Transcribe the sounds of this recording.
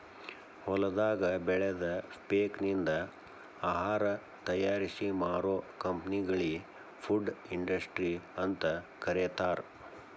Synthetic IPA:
hɔlɐd̪aːɡɐbɛɭɛd̪ɐpeːknind̪ɐ | aːɦaːɾɐ | t̪ɐjaːɾisimaːɾoːkɐmpniɡɐɭi | pʰuɖiɳɖɐsʈɾiɐnt̪ɐkɐɾet̪aːɾ

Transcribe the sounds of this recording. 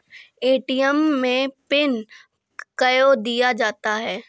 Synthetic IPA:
eːʈijəmːẽpɪn | kɐjod̪ijad͡ʒaːt̪aɦɛː

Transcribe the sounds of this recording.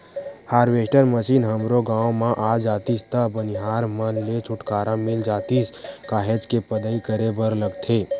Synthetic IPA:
haːɾʋeːʃʈəɾməʃiːnɦəmɾoɡãːomãʔaːd͡ʒaːt̪ist̪əbəniɦaːɾmənlet͡ʃʰʊʈkaːɾamɪld͡ʒaːt̪iskaːɦed͡ʒkepəd̪əikəɾebəɾləɡt̪ʰeː

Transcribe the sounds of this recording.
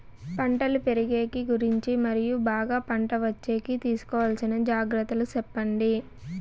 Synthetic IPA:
pɐɳʈɐlupe̞ɾiɡe̞ːkiɡuɾiɲt͡ʃimɐɾijubaːɡaːpɐɳʈɐʋɐt͡ʃːe̞ːkit̪iːsu̥kɔːʋɐlɐsinɐd͡ʒaːɡɾɐt̪ːɐlut͡ʃɛpːɐɳɖi

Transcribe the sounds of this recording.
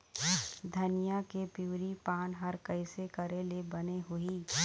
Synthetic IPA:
d̪ʱɐnɪjakepjuːɾipaːnɦɐɾkɐɪsekɐɾelebɐneɦʊiː

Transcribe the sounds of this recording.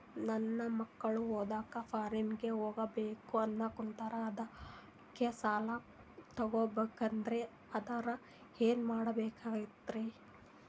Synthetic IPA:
nɐnːɐmɐkːɐɭuɦoːd̪aːkɐpʰaːɾimɡe̞ɦoːɡɐbeːkuɐnːɐkunt̪ɐɾɐːd̪ɐ | kːesaːlɐ | t̪ɐɡobeːkɐnd̪ɐɾe | ɐd̪ɐɾɐ | eːnmaːɽɐbeːkaːɡit̪ːɾi

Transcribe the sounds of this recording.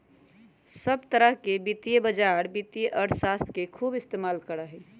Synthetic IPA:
səbt̪əɾəɦkebit̪ijebəd͡ʒaɾbit̪ijeʔəɾsaːst̪ʰkekʰuːbɪst̪emaːlkəɾəɦɛ

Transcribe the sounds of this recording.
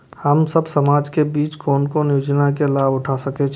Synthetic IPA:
həmsəbsəmaːd͡ʒkebiːt͡ʃkoːnkonjuːd͡ʒnakelaːbʊʈʰasəket͡ʃʰ

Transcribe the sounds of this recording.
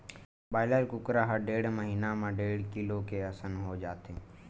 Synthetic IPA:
baːɪlaɾkʊkɾaɦəɾɖeːɽməɦiːnamãɖeːɽkɪlokeəsənɦod͡ʒaːt̪e

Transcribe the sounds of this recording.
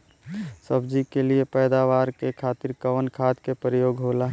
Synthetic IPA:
səbd͡ʒikeliepɛːd̪aʋaːɾkekʰaːt̪iɾkəʋənkʰaːt̪kepəɾɪjoːɡɦoːlaːɦ

